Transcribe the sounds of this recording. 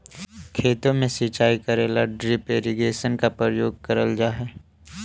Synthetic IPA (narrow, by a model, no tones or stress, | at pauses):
kʰeːt̪õmẽsit͡ʃaːikɐɾeːlaɖɾipeːɾiɡeːʃənkapɾəjoːɡ̚kɐɾəld͡ʒaːɦɛː